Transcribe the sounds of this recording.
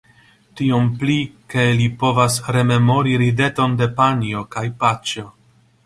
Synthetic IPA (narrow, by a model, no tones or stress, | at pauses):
tio̞mplike̞lipo̞vasɾe̞me̞mo̞ɾiɾide̞to̞nde̞panio̞kajpat͡ʃo